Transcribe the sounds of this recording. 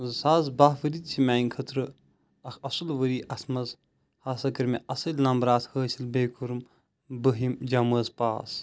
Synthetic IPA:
saːzbaɦʋəɾit̪̚t͡ʃʰimʲaːjnkʰɐt̪ɾɨ | ɐkʰɐsɨlʋəɾiʔɐsʰmɐz | hɐsɐkɐɾmeʔɐsɐlʲnɐmbɾaːt̪ʰhəːsilbeːkʰuɾm | bəɦimd͡ʒaməːzpaːs

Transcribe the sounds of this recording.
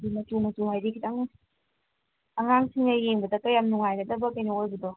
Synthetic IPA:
dimɐtumɐtumajɾikʰitaŋ | ɐŋaŋsiŋnɐjeŋbɐdɐkɐjamnuŋajɡɐdɐbɐkɐjniojbɐdɔ

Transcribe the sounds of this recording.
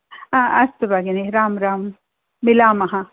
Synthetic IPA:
ãɐst̪ubaɡiniɾaːmɾaːm | mɪlaːmɐɦã

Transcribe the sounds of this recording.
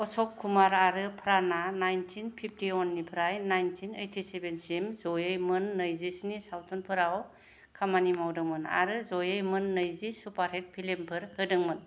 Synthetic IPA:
ɔsɔkʰːumaɾaɾɯpʰɾananajntʰinpʰip̚ʰtiɔnːipʰɯɾajnajntʰinejtʰisebensimzojɯjmɯnːəjzisnisawtʰɔnpʰɯɾaw | kʰamanimawdɯŋmɯna̰ɾɯzojɯjmɯnːəjzisupaɾhet̚pʰilempʰɯɾhɯdɯŋmɯn

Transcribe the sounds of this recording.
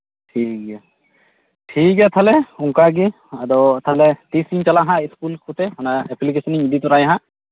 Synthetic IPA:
tʰik̚ɡɛ | tʰikat̪ʰalɛuŋkaɡi | adɔt̪ʰalɛt̪isint͡ʃalaɦãiskulkʰut̪ɛhɔnaɛplik̬esɔniŋid̪it̪ɔɾajaɦã

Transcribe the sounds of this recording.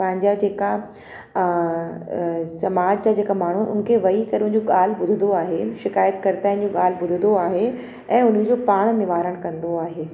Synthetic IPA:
pɐ̃ɦɪ̃ɲd͡ʑad͡ʑeːka | sɐmaːd͡ʑd͡ʑad͡ʑeːkamaːɳ̤uʊ̰n̆kʰeʋɐikɐɾiʊ̃d͡ʑoɠaːl̤bʊd̪ʱənd̪oaːɦeʃɪkaːjət̪kɐɾt̪aːɪ̃n̆d͡ʑoːɠaːl̤bʊd̪ʱə̃nd̪oaːɦe | ɛ̃ːʊn̤id͡ʑopaːɽ̃nɪʋaːɾəɽ̃kɐ̃nd̪oaːɦeː

